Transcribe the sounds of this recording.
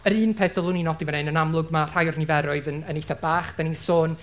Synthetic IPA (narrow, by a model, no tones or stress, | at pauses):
əɾɨːnpʰetəlˠʊninɔdivɛnenənamlˠʊɡmar̥ajʊrnɪvɛɾʊɨðənənejθabaːχd̥anisoːn